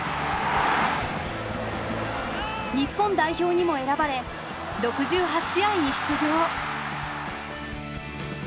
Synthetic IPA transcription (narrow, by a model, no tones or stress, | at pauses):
ɲ̟ipːõ̞nd̪aiçʲo̞ːɲ̟imo̞e̞ɾabaɾe̞ | ɾo̞kɯ̟ʑɨːɦaɕijaiɲ̟iɕi̥t͡sɨʑoː